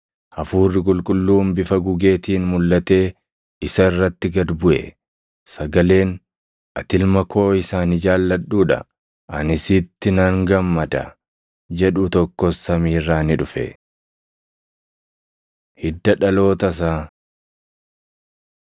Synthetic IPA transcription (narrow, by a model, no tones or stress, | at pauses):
ʔɐfuːrːɪkʼʊlkʼʊlːuːmbɪfɐɡʊɡe̞ːt̪iːnmʊlːɐt̪e̞ː | ɪsɐɪrːɐt̪ːɪɡɐd̪bʊʔɛ̰ | sɐɡɐle̞ːn | ʔɐt̪ɪlmɐkʰo̞ːɪsaːnɪd͡ʒaːlːɐᶑuːᶑɐ̰ | ʔɐ̰nɪsɪt̪ːɪnɐŋɡɐmːɐd̪ɐ̰ | d͡ʒɛᶑʊt̪ɔkːɔsːɐmiːrːaːnɪᶑʊfɛ̰ | hɪd̪ːɐᶑɐlo̞ːt̪ɐs̬aː